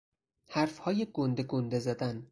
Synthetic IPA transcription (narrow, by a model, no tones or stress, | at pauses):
hæɾfhɒːjeɡond̪eɡond̪ezæd̪æn